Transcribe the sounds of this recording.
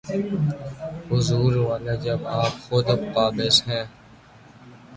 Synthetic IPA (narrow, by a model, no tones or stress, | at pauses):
ɦʊzuːɾʋaːleːd͡ʒɐbaːpxʊd̪pːaːbɪsɦɛ̃ː